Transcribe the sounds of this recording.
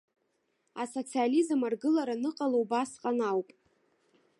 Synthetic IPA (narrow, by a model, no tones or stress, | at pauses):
aso̞t͡sʰializɨmarɡɨlaɾanɨqʼalowbasqʼanawpʼ